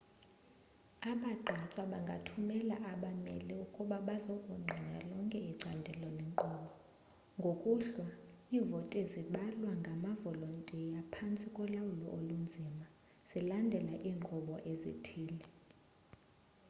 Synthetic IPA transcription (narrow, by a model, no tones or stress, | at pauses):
aɓaǃʱat͡sʼwaɓaŋɡʱatʰumɛla̰ʔaɓamɛ̰liukʼuɓaɓazokʼuŋ͡ǃʱiɲalɔŋkʼɛiǀandʱɛlɔnɛŋǃɔɓɔ | ŋɡʱokʼuɬwaivɔtʼɛziɓalwaŋɡʱamavɔlɔntʼɛjapʰant͡sʼikʼɔlawulɔ̰ʔolund͡zʱima | z̥ilandʱɛlaʔiːŋ͡ǃʱɔɓɔʔezḭtʰiːlɛ